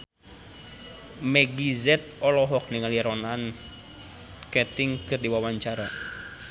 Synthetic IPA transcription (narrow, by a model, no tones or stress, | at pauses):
mɛɡizɛt̪̚ɔlɔɦɔk̚niŋaliɾɔnan | kɛt̪ɪŋkɨrdiwawaɲt͡ʃaɾa